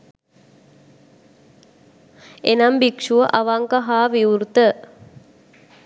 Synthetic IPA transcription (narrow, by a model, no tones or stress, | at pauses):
enambikʂuʋəʔaʋaŋkaɦaːʋiuɾt̪ə